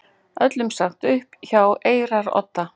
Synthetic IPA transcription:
ʔœt̪lʏmsaŋ̥t̪ʏhpçawʔeːjɾaɾɔ̰t̪ːa

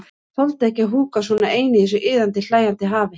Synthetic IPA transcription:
θɔlt̪ɛhcɪaɦuːkasvɔːnaeːjnɪiθɛs̬ʏʔɪːðant̪ɪl̥aːjant̪ɪɦaːvɪ

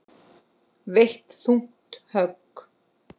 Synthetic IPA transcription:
veht̪θuŋ̥t̪hœk

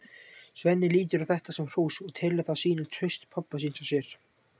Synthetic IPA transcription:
svɛnːɪliːt̪ɪɾawθɛht̪asɛmr̥oːwsɔɣt̪ʰɛːlɪθaðsiːnɪnt̪ʰɾʏɥst̪pʰapːasiːnsasjɛɾ̥

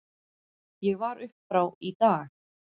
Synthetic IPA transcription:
jɛɣvaɾʏhpfɾaːwit̪aːx

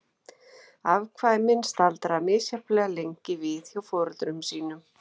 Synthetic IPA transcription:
avkʰvaːjmɪnst̪alt̪ɾamɪðsjaplɛːɣaleɲcɪvɪθjawfɔɾt̪ɾʏmsiːnʏm

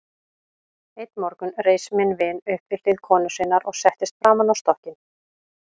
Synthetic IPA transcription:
ejt̪mɔɾkʏnreːjsmɪnvɪnʏhpvɪɾ̥t̪iðkʰɔːnʏsɪnaɾɔɣsɛht̪ɪst̪fɾaːmanawst̪ɔhcɪn

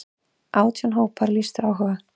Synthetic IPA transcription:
ʔaːwt̪ʰanɦoːwpʰaɾlist̪ʏɾawɦœɣa

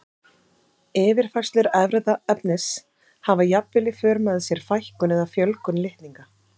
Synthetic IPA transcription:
ɛːvɪɾ̥faj̥st̪lʏɾɛvɾɛðaœpnɪs | havajapvɪlɪfœːɾmaðɪsjɛɾ̥fajhkʏnɛðafjœlkʏnlɪht̪niŋka

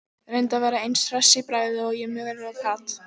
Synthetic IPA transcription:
ɾejnt̪avɛːɾaejnsɾɛsːɪpɾaːjðɪɔɣjɛmœːɣɛɾvɛɾkʰaːt̪

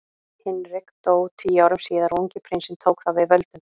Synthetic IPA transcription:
hɪnɾɪkt̪oːwt̪ʰiːjaːwɾʏmsiːðaɾuɲcɪpʰɾɪnsɛnt̪ʰoːwkθavɪðvœlt̪ʏm

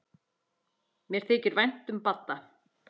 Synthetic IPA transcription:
mjɛɾ̥t̪ʰɛːcɪɾvajn̥t̪ʏmpat̪ːa

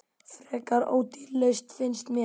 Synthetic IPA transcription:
fɾɛːkaɾo̰ːwt̪ɪlːeɥst̪fɪnst̪mjɛ

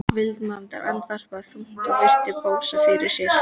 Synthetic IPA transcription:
vɪlt̪mant̪a̰ɾʔa̰nt̪var̥paθumt̪ɔpɪr̥t̪ɪpoːwsafɪɾɪɾ̥sjɛ̥

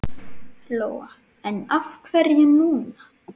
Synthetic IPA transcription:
loːwa | ɛnafkʰvɛɾjɪnuːna

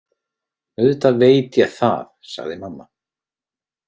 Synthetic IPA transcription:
œðt̪aveːjt̪jaɣθa̰θsa̰ɣðɪmamːa

